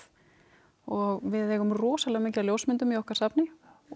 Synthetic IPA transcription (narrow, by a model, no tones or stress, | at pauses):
ɔɣvɪðɛɣʏmrɔːsalɛɣmehcaljowsmɪnt̪ʏmiɔhkaɾ̥sapnɪ